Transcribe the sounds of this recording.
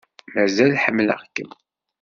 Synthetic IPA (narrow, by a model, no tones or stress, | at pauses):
mæzælħəmːlə̰ʁkːəm